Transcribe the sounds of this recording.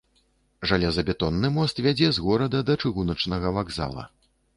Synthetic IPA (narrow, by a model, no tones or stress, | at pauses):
ʐalʲɛzɐbʲɛt̪ɔnːɨmɔst̪vʲad͡zʲɛzɣɔɾɐd̪ɐd̪ɐt͡ʂɨɣunɐt͡ʂnɐɣɐvaɡza̰lˠɐ̰